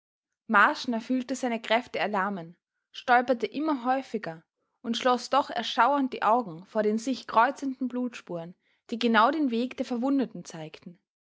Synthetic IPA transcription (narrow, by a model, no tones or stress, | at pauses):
maɐʃnɐfyːltəzaɪnəkʁ̥ɛftəɛɐlaɐmən | ʃtɔlpɐtəʔɪmɐɦɔʏfɪɡɐ | ʔʊntʃlɔsd̥ɔχɛ̰ɐʃaʊɐnt̚d̥ḭːʔaʊɡŋ̩foːɐɾeːnzɪçkʁ̥ɔʏt͡səndn̩bluːtʃpuːʁən | d̥iːɡənaʊɾeːnveːkd̥eːɐfɛɐvʊndətn̩t͡saɪktn̩